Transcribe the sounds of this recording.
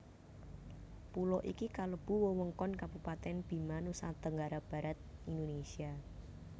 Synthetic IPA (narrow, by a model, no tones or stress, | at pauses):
pulɔʔikikaləb̥ṳwəwəŋkɔnkab̥upat̪ɛnb̥i̤manusat̪əŋɡaɾab̥ä̤ɾat̪̚ind̪onesia